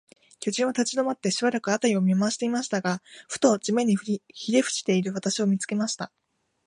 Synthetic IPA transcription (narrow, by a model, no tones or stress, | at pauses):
kʲo̞ːʑĩɰ̃at̪at͡ɕid̪o̞mat̪ːe̞ɕibaɾakɯ̟at̪aɾʲio̞mʲimaɕi̥t̪e̞imaɕi̥t̪aɡaɸɯ̥t̪o̞ːt͡ɕime̞ɲ̟içiɾe̞ɸɯ̥t͡ɕi̥t̪e̞iɾɯ̟βat̪aɕio̞mʲit͡sɨ̥ke̞maɕi̥t̪a